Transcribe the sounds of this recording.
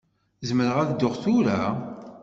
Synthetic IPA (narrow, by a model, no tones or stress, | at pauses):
zəməɾəʁæðd̪ːʊχθuɾæ